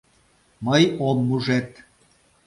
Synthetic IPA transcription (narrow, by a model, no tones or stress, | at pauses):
məjomːuʒet̪